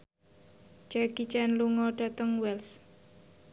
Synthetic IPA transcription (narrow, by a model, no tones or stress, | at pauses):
t͡ʃaɡ̥it͡ʃɛnluŋɔɖ̥a̤t̪əŋwɛls